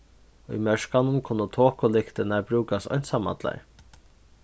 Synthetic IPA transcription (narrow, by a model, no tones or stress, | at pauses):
ɔḭmœʂkanʊmkʰʊnːət̪ʰoːkʊlɪkt̪ɪnabɾuːkasɔ̰nsama̰t̪la̰ɹ